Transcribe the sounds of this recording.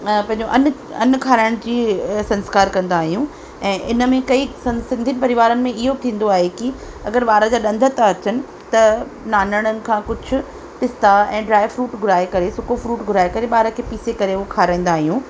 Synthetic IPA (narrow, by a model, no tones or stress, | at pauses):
pɐ̃ɦɪ̃ɲd͡ʑoʔɐn | ɐ̰nkʰaːɾaːəɽ̃d͡ʑiːsɐ̃nskaːɾkɐ̃nd̪aːɦijũ | ɛ̃ːʔɪnə̆mẽkɐisɐ̃sɪ̃nd̪ʱinɪ̆pɐɾɪʋaːɾənɪ̆mẽɪɦot̪ʰĩːn̆d̪oaːɦeki | ɐ̰ɡəɾɓaːɾəd͡ʑaːɗɐ̃nd̪ʱət̪aɐt͡ɕənɪ̆ | t̪ɐnaːnəɽ̃ənɪ̆kʰãːkʊd͡ʑʱʊ̆ | pɪst̪aɛ̃ːɖɾaːɪfɾuːʈɡʱʊɾaːekɐɾesʊkofɾuːʈɡʱʊɾaːekɐɾeɓaːɾəkʰeːpiːsekɐɾeʊokʰaːɾaːĩːn̆d̪aːɦijũː